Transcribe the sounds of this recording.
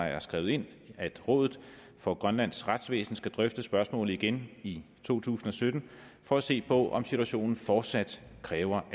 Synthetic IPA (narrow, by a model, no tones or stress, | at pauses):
ɑ̈æɐsɡ̥ʁɛ̰ʊe̝n̰æd̥ʁɔ̽ːðˠð̩ˠ | fɒ̽ɡ̥ʁɶnlæn̰sʁad̥sʋḛːsn̩sɡ̥æd̥ʁœfd̥əsb̥ɶɐsmɔ̰̽ːl̩ˠiɡ̥eni | t͡sʰo̝̰ːt͡sʰṵːsn̩ɒ̽sød̥n̩ | fɒ̽æse̝̰ːpʰɒ̽ʔɒ̽msit͡sʰuæɕo̝̰ːnn̩fɒːd̥sæd̥kʰʁɛːʊɐʔ